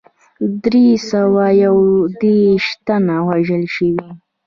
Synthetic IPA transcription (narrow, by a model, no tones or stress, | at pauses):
d̪ɾesawajawd̪eʃt̪anawaʒəlʃəwi